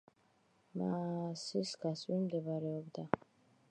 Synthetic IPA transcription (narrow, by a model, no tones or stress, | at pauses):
masisɡasʼwimd̪ɛbaɾɛɔbd̪a